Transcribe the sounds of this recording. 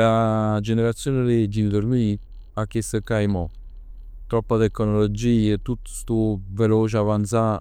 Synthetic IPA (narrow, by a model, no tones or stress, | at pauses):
ad͡ʒeneɾat̪sːjoːneɾed͡ʒind̪oɾmi | akesəkajmɔ | t̪ɾɔpːad̪ekonɔlod͡ʒiːet̪ːut̪st̪uveloːt͡ʃavant̪sa